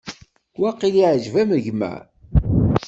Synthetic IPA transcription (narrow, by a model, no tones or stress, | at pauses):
wæqːiliʕʒvæməʝmæ̰